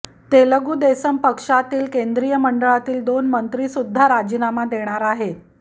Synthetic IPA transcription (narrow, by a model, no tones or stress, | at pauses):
t̪eləɡuːd̪esəmpəkʂat̪iːlkend̪ɾijəməɳɖəɭat̪iːld̪onmənt̪ɾisud̪ʱːaɾad͡ʑinamad̪eɽ̃aɾaɦe